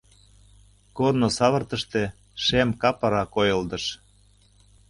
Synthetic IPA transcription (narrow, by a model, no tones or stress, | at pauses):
kornosɑβə̆rt̪ə̆ʃt̪e | ʃemkɑpɑɾɑkojɤ̆ld̪ɤ̆ʃ